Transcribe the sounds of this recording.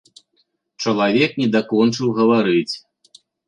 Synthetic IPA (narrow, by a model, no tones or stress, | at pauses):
t͡ʂɐlˠavʲɛknʲɛd̪akɔnt͡ʂɨwɣɐvaɾɨt͡sʲ